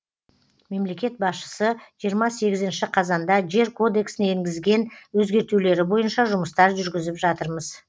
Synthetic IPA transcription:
me̞mle̞kʲe̞t̪̚bɑsʃə̥səʒijəɾmɑse̞ɡʲɪzɪnʃɪqʰɑzɑnd̪ɑʒe̞ɾkʰo̞d̪e̞ksɪneeŋɡʲɪzɡʲe̞nwɵzɡʲe̞ɾt̪ule̞ɾɪbo̞jənʃɑʒʊməst̪ɑɾʒʏɾɡʲɪzɪpʒɑt̪əɾməz̥

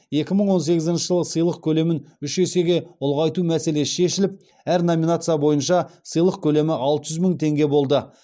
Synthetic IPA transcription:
e̞kʲɪməɴwo̞nse̞ɡʲɪzɪnʃəʒəlˠəsəjlˠəq̚kʲʰɵle̞mɪnʏʃese̞ɡʲe̞ʊlˠʁɑjt̪umæse̞le̞sʃe̞ʃɪlɪp̚ | æɾnomʲinat̪sɨijabo̞jənʃɑsəjlˠəqkʲʰɵle̞mɪʔɑlˠt̪əʒʏzmʏŋt̪ʰe̞ŋɡʲe̞bo̞lˠd̪ə

